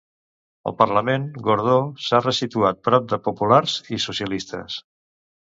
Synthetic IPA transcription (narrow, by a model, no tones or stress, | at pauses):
ə̰lˠpərləmeŋɡuɾð̞osarəsit̪uat̪̚pɾɔp̚d̪əpupulaɾzisusjəlist̪ə̰s